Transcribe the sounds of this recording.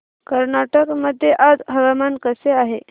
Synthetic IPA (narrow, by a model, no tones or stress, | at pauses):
kəɾnaʈəkməd̪ʱːjeʔad͡zɦəʋamankəseaɦe